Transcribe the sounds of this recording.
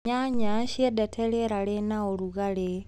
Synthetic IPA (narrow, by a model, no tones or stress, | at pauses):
ɲaɲaɕjedetʰeleɾalenaoɾuɣale